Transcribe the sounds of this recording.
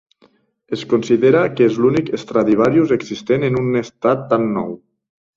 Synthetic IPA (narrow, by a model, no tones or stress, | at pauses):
eskunsiðeɾakezlunikest̪ɾaðiβ̞aɾjuzeɡzist̪enenunest̪at̪ːanːɔ̰w